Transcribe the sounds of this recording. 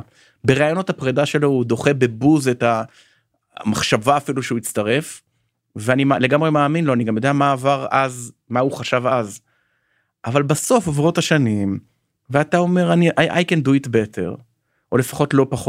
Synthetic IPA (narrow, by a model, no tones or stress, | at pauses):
be̞ʁaajono̞thapʁedaʃe̞lo̞ud̪o̞χebe̞buze̞ta | maχʃavaːfiluʃeuit͡staʁe̞f | veanimale̞ɡamʁemaːminlo̞aniɡamjo̞d̪eamaːvaʁazmauχaʃavaz | ʔavalbaso̞favʁo̞taʃanim | veatao̞me̞ʁaniʔajʔa̰jkenduitbetʰḛʁ | o̞le̞fḁχo̞tlo̞paχo